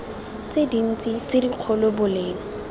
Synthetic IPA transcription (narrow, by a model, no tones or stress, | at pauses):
t͡sedin̩t͡sʼit͡sɪdiq͡χʰɔlɔbʊleːŋ̩